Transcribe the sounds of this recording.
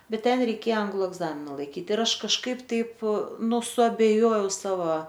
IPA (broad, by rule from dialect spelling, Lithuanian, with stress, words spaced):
ˈbʲɛt ˈtʲɛn rʲɛɪˈkʲeːjɛ ˈɐŋɡlˠʊ ɛɡˈzɑːmʲɪnɐ lˠɐɪˈkʲiːt ɪr ˈɐʃ kɐʃˈkɐɪp ˈtɐɪp ˈnʊ sʊɐbʲɛˈjoːjɛʊ ˈsɑːʋɐ